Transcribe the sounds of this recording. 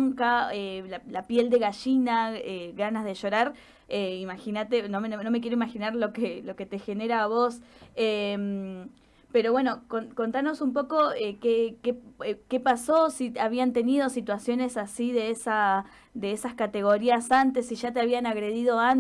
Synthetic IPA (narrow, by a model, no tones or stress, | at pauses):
ŋkaelalapje̞ld̪e̞ɣaʃinaeɣanazðe̞ʃo̞ɾaɾ | eimaxinat̪enomnono̞mek̬jeɾoimaxinaɾlo̞kelo̞ke̞t̪e̞xe̞ne̞ɾaːβo̞sem | pe̞ɾo̞βwe̞no̞koko̞nt̪ano̞sumpo̞ko̞ekekeke̞paso̞siaβiant̪e̞nið̞o̞sit̪wasjo̞ne̞sasiðe̞esa | ðeesaskat̪e̞ɣo̞ɾiasant̪e̞siʒat̪eaβianaɣɾe̞ðið̞o̞an